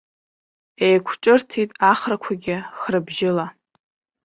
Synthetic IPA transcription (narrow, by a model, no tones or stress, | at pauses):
ejkʷʰʈ͡ʂʼɨrtʰitʼaχrakʷʰaɡʲɪχrɨbʒɪla